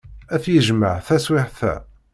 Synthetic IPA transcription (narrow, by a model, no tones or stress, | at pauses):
æθjəʒməʕθæswɪħθæ̰